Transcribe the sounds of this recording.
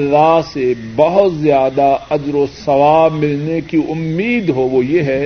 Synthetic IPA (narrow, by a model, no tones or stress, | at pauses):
lːasebɐɦʊt̪zjaːd̪aɐd͡ʒɾosɐʋaːmɪlnekiʊmːiːd̪ɦoʋojeɦɛ